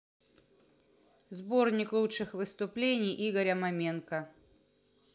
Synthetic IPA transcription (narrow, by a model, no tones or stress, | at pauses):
zbo̞rnʲɪklˠutt͡ʂɨxvɨst̪ʊplʲenʲɪjʔiɡəɾʲɐmɐmʲenkə